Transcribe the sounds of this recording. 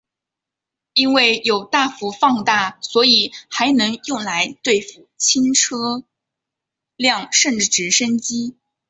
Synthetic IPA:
i˥nwe˥˩ɪjo˨˩ʊt̪a˥˩fu˧˥fɑ˥˧ŋt̪a˥˩swɔ˧˥i˨˩xa˧˥ɪnɤ˧˥ŋjʊ˥˩ŋla˧˥ɪt̪we˥˩ɪfu˥˩t͡ɕʰi˥nʈ͡ʂʰɤ˥ | ljɑ˥˧ŋʂə˥˧nʈ͡ʂɻ̩˥˩ʈ͡ʂɻ̩˧˥ʂə˥nt͡ɕi˥

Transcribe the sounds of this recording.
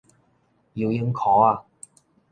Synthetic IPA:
jiː˧wjɪ˧˥mkʰɔː˨˥aː˧

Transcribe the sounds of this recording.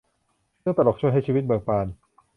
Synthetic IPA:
sɯ˥˩ŋp̪a˧lɔː˨˩t͡ɕʰu˥˩əjɦa˥˩jt͡ɕʰiː˧˦i˦˥t̪̚bɤː˧ŋpaː˧n

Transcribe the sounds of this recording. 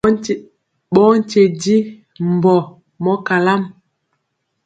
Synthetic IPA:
ɓɔ˦n̩˦t͡ʃe˨di˦ | m˨bɔ˨ | mɔ˦ka˨la˦m

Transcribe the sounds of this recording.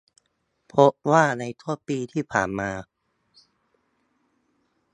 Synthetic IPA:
pʰo˦˥ʔwaː˥˩na˧jt̪ʰu˥˩əpiː˧t̪ʰiː˥˩pʰa̰ː˨˩nmaː˧

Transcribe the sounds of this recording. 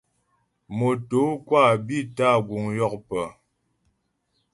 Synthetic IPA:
mo˨to˨˦kwa˦˨bi˦ta˦˨ɡwu˨ŋjɔ˦˨k̚pə˨

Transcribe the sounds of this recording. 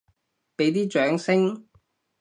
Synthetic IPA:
pe˨˥jt̪iː˥t͡ʃœː˨˥ŋsɪ˥ŋ

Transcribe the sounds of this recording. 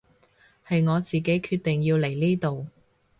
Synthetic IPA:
hɐ˨jŋɔː˨˧t͡siː˨ke˨˥jkʰyː˧t̪̚ɪ˨ŋjiː˧wle˨˩jliː˥t̪o˨w

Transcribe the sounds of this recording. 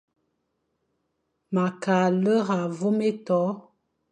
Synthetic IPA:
ma˨ka˨lə˦ɣa˨vo˦me˦tɔ˨˦

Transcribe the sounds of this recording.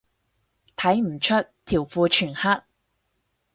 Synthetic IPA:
t̪ʰɐ˨˥jm̩˨˩t͡ʃʰɵ˥t̚t̪ʰi˨˩wfuː˧t͡ʃʰyː˨˩nha˥t̚

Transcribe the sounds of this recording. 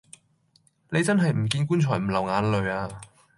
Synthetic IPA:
ne˨˧jt͡sɐ˥nɦɐ˨jm̩˨˩k̬iː˧nkuː˥nt͡ʃʰɔː˨˩jm̩˨˩lɐ˨˩wŋaː˨˧nlɵ˨˧ɥaː˧

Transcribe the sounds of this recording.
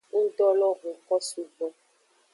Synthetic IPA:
u˦dɔ˦lɔ˦ɣu˨kɔ˦su˦ɡ͡bɔ˦

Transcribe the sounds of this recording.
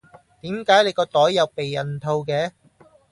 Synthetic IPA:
t̪iː˨˥mkaː˨˥jne˨˧jkɔː˧t̪ɔː˨˥jːɐ˨˧wpe˨jːɐ˨nt̪ʰo˧wkɛː˨˧˥

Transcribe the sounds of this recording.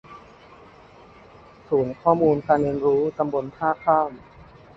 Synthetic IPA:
suː˩˦nkʰɔː˥˩muː˧nkaː˧nɾeː˧nɾuː˦˥k̪a˧mbo˧nt̪ʰaː˥˩kʰaː˥˩m

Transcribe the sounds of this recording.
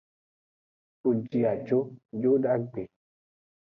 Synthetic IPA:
u˨d͡ʒi˦a˨d͡ʒo˦d͡ʒo˦da˦ɡ͡be˨

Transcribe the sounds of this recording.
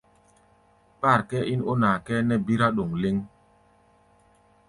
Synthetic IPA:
pa˦˨ɾkɛ˦i˦no˦na˨kɛ˦nɛ˦bi˦ɾa˦ɗo˨ŋle˦ŋ

